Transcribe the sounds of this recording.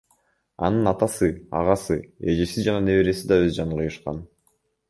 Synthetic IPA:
ɑ̰nɯnɑt̪ɑsɯɑ̰ʁɑsɯe̞d͡ʒesid͡ʒɑnɑne̞βeɾe̞sid̪ɑøzd͡ʒɑɴqɯjɯʃqɑ̰n

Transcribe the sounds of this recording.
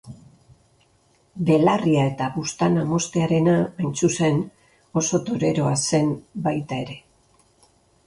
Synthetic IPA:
be̞lariae̞t̪aβust̪anamo̞st̪e̞aɾe̞naajnt͡suse̞n | o̞so̞t̪oɾe̞ɾo̞ase̞mbajt̪ae̞ɾe̞

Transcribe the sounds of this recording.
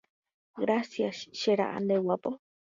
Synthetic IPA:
ɡɾasjaʃʃeɾa̰ʔa̰nd̪ewapo

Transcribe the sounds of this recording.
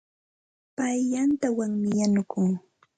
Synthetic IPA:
pajʎant̪awaŋmɪjanʊkʊŋ

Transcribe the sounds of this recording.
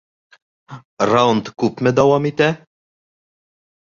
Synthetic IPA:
ɾawnd̪kupmɛd̪ɐwɐmit̪ɛ

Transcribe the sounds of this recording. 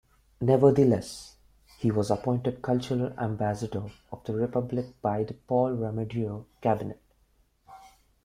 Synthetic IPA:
nɛʋəd̪əlɛs | hiwɔzəpɔ̃ɪ̃nʈəɖ̚kʰʌlt͡ʃəɾəlæ̰̃mbæsəɖə | ɔfd̪əɾɪpʌblɪk̚b̥aɪd̪əpɔlɹaməɖiokæbɪneʈ̚

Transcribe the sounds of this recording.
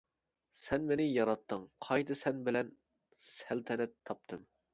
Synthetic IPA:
sɛnmenɪjɑɾɑt̪ʰːɨŋqʰɑjt̪ʰɨsɛnbɪlɛn | sælt̪ʰɛnɛt̪ʰːɑp̚t̪ʰɨm

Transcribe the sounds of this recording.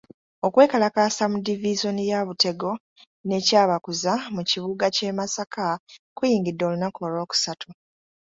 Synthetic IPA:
o̞kwe̞ːkalakaːsamudiviʒo̞nijaβute̞ɡo̞ | ne̞caːβakuzamuciβuɡace̞ːmasakʰakujiːŋɡidːo̞ːlunakolo̞ːku̥satʰu

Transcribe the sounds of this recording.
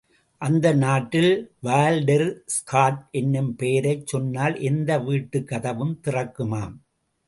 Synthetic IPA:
ʔɐnd̪ɐnaːʈːɪlʋaːlɖɐɾskʰaːʈʔɛnːɯmpeːɾɐɪt͡ʃːɔnːaːlʔɛnd̪ɐʋiːʈːɯkːɐðɐʋɯmt̪ɪrɐkːɯmaːm

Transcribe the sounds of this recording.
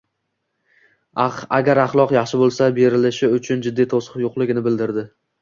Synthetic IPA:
aɡʲaɾɑχlˠɒqjɑχʃɪbolˠsabe̞ɾɪlɪʃɪʊt͡ʃʰʊnd͡ʒɪd̪ːit̪ʰosɨjoqlˠɪɡʲɪnɪbɪld̪ɪɾd̪ɪ

